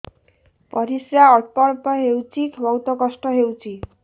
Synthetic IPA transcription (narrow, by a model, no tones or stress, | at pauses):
pɔɾisjaɔʈpɔɽpɔɦewt͡sʰikʰbʱɔwt̪ɔkɔsʈɔɦewt͡sʰi